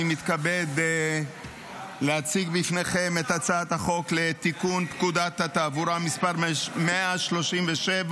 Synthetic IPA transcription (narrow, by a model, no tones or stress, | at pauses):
mit̪kabed | lehat͡siɡbifne̞χe̞met̪at͡saːt̪haχo̞kle̞t̪ikunpkud̪at̪hat̪aːvuɾamispaʁmeaʃlo̞ʃimveʃev